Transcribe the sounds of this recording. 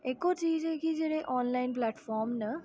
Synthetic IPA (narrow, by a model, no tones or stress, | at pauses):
eːkot͡ʃiːd͡ʒɦɛkid͡ʒeːɽeʔɔːnlaɪnplɛːʈfʰɔːɾmnə